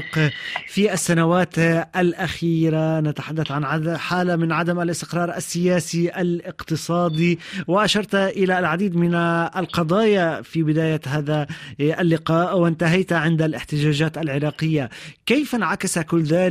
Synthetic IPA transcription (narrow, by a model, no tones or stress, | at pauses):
qfiʔasːanawaːt̪ʔalʔaxiːɾanat̪aħad̪ːaθʕanʕaħaːlamɪnʕad̪amalɪst̪ɪqɾˤɑːɾˤʔa̰sːɪjaːsiʔalɪqt̪ɨsˤɑːd̪iwɪʔaʃɑɾˤt̪ʔɪlalʕad̪iːd̪mɪnʔalqɑd̪ˤɑːjafibɪd̪aːjaɦaːðaʔalːɪqɑːʔwɪnt̪aɦajt̪ʕɪnd̪alɪħt̪ɪʒaːʒaːt̪alʕɪɾˤɑːqɪjːakajfanʕakasakʊlːðaːl